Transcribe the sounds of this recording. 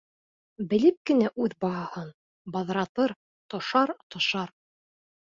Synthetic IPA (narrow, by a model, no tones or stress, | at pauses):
bɘ̆lɘp̚kɘ̆næʔʉðbɑɦɑhɤn | bɑðɾɑt̪ɤɾ | t̪ŏʃɑɾt̪ŏʃɑɾ